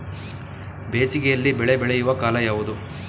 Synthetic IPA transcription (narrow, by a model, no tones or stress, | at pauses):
beːsiɡejɐlːibɛɭebɛɭejuʋɐkaːlɐjaːʋud̪u